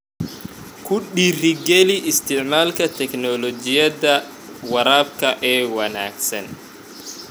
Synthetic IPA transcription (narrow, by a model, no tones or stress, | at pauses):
kʰʊɗiːrɪɡɛliʔɪst̪ʰɪʕmaːlkʰɐt̪ʰɛknɔlɔt͡ʃɪjɐdɐ | wɐɾaːb̚kʰɐʔɛːwɐna̰ːɡsɐn